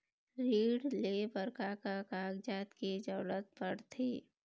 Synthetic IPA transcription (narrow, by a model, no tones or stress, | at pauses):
ɾiːɽlebəɾkakakaːɡd͡ʒaːt̪ked͡ʒəːlət̪̚bəɽt̪ʰeː